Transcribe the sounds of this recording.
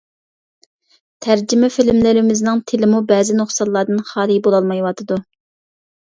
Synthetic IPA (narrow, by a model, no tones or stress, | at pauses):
t̪ʰæɾd͡ʒmɛfɪlmlɪɾɪmɪznɪŋt̪ʰɪlɪmubɛːzɪnoχsɑlːˠɑːd̪ɨnχɑːlˠibolˠɑlˠmɑjwɑt̪ʰɨd̪u